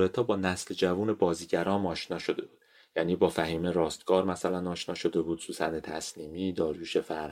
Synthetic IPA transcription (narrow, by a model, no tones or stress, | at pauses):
et̪ʰɒːbɒːnæsld͡ʒævuːne̞bɒːziːɟæɾɒːmɒːʃnɒːʃo̞d̪e̞buːd̪ | jæːniːbɒːfæɦiːmeɾɒːst̪̚ɡ̥ɒːɾmæsælænɒːʃnɒːʃo̞d̪e̞buːd̪̥suːsænet̪ʰæsliːmiːd̪ɒːɾjuːʃefæɾ